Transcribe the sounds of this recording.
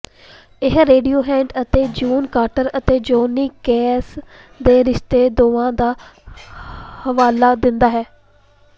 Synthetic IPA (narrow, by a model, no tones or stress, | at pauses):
ɪɦɾeːɖioːɦɛ̃ːɳʈət̪eːd͡ʒuːnkaːʈəɾət̪eːd͡ʒoːniːkɛːs | d̪eːɾɪʃt̪eːd̪oːãːd̪aː | həʋaːlaːd̪ɪnd̪aːɦɛː